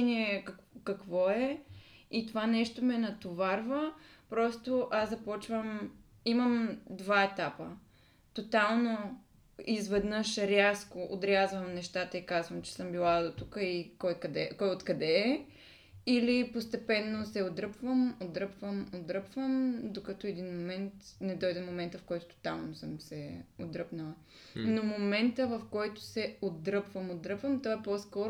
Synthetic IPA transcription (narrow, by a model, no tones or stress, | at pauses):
niɛkɐkkɐkvɔɛit̪ovanɛʃt̪omɛnɐt̪ovaɾvəpɾɔst̪oʔaszɐpɔt͡ʃvəm | iməmd̪vaɛt̪apə | t̪ot̪alˠno | izvɛd̪nəʃɾʲaskoʔod̪ɾʲazvɐmnɛʃt̪at̪əikazvɐmt͡ʃɛ̥sɤmbilˠad̪ot̪ukəikɔjkɐd̪ɛkɔjot̪kɐd̪ɛ | ilipost̪ɛpɛnːosɛod̪ɾəpvəmod̪ɾɤpvəmod̪ɾɤpvəmd̪okɐt̪ɔɛd̪inmomɛnt̪nɛd̪ɔjd̪ɛmomɛnt̪əfkɔjt̪ʊ̥t̪o̥t̪alˠnosəmsɛod̪ɾəpnəlˠə | nomomɛnt̪əvɐfkɔjt̪ʊ̥sɛod̪ɾɤpvəmod̪ɾɤpvəmt̪ovaɛpɔskɔɾ